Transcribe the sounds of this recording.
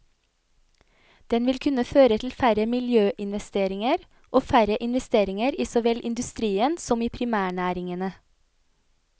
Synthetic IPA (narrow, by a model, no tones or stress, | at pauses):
d̪̥ɛnʋɪlkʰʉnəføːɾət̪ʰl̩fæɾəmɪljøːʔɪnʋɛst̪eːɾɪŋəɾ | ʔoːfæɾəʔɪnʋɛst̪eːɾɪŋəɾiːsɔʋɛlʔɪnd̪ʉst̪ɾiːənsɔmiːpʰɾɪmæːɳæːɾɪŋənə